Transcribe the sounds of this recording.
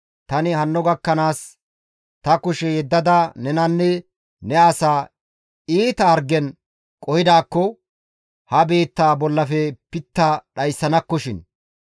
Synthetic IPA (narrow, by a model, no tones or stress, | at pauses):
t̪ɐnɪhɐnːɔɡɐkːɐnaːs | t̪ɐkʊʃɛjɛd̪ːɐd̪ɐnɛnɐnːɛ | nɛɐsaː | iːt̪ɐːɾɡɛn | kʼɔhɪd̪aːkːɔ | hɐbe̞ːt̪ːaːbɔlːɐfɛpɪt̪ːɐɗɐjsːɐnɐkːɔʃɪn